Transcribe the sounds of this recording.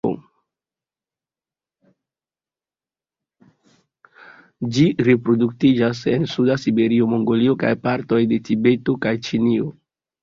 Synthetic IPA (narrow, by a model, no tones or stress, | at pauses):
o̰ | d͡ʒiɾepɾo̞duk̚tid͡ʒas̬e̞nsudasibe̞ɾio̞mo̞ŋɡo̞lio̞ka̰jpaɾto̞jde̞tibe̞tokajt͡ʃinio